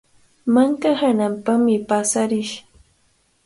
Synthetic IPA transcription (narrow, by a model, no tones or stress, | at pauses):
maŋkahanampaχmɪpasaɾɪʃ